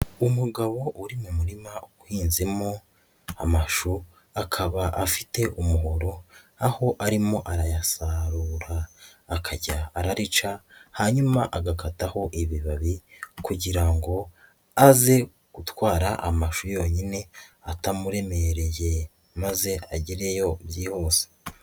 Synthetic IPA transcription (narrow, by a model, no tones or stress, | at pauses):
umuɡaβo̞ʔuɾimumuɾimaukwiːnzimo | a̰maʃu | akʰaβaʔafite̞ʔumuɦoɾo̞ | aho̞ʔaɾimo̞ʔaɾajasaɾuːɾaːkʰaɟaːɾaɾit͡ʃahaɲumaʔaɡakataho̞ʔiβiβaβikuɟiɾaŋɡo̞ | aze̞ | ɡ̥utwaːɾaʔamaʃujo̞ɲine̞atamuɾe̞me̞ɾe̞je̞ | maze̞aɟiɾe̞jo̞bjiːho̞se̥